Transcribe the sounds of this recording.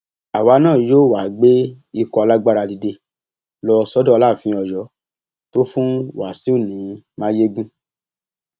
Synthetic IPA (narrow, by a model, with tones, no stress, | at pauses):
a˨wa˨˧˦nãː˦˨joː˦˨wa˨ɡ͡be˦ | i˧kɔ˧ɔ˧la˦ɡ͡ba˦ɾa˧di˧de˧ | lɔ˧sɔ˨˦dɔ˦˧la˦˨fĩ˨˦ɔ˨jɔ˨˦ | to˦fũ˦wa˨si˨˦o˦˨nĩ˨˦mãː˦je˦ɡũ˦